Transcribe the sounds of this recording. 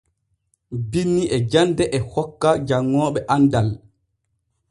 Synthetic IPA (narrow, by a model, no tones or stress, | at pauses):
binːiʔɛd͡ʒandɛʔɛhɔkːad͡ʒaŋːɔːɓɛʔandal